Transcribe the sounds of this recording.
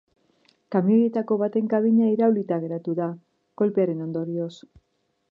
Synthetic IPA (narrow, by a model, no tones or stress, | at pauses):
kamiojet̪ako̞βat̪e̞ŋkaβiɲaiɾawlit̪aɣe̞ɾat̪uða | ko̞lpe̞aɾe̞no̞nd̪o̞ɾio̞s